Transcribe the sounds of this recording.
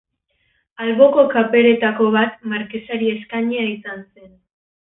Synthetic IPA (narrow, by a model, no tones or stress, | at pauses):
alβo̞ko̞kape̞ɾe̞t̪ako̞βat̪maɾkesaɾie̞skaɲeaisanse̞n